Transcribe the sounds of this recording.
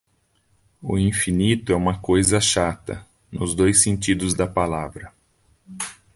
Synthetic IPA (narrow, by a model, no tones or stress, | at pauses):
ʊ̰ĩfinit̪ʊɛũmɐkojzɐʃat̪ɐ̰ | nʊzd̪ojsẽnt͡ʃid̪ʊzd̪ɐpalavɾɐ